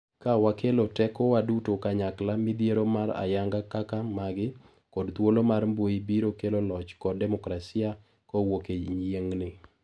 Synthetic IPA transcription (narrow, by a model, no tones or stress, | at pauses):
kawakelotɛkɔwadutokaɲaklamɪd̪jeɾomara̰jaŋɡakakamaɡɪ | kɔdt̪wolomarmboibiɾokelolɔt͡ʃkɔdɛmɔkɾasia | kɔwokeɲjeŋnɪ